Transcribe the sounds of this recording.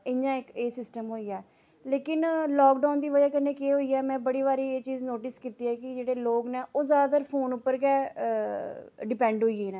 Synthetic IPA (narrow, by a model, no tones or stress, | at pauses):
ɪɲãːɪkeːsɪsʈəmɦoːiːɛː | leːkɪnlɔːkɖaːnd̪iːʋəd͡ʒaːkənːẽːkeːɦoːiːɛːmɛ̃ːbəɽiːʋaːɾiːeːt͡ʃiːznoːʈɪskiːt̪iːɛːkɪd͡ʒeːɽeːloːɡnɛːʔoːzaːdd̪əːɾpʰoːnʊpːəɾkɛː | ɖɪpɛ̃ːɳɖɦoːiːeːnɛ̃ː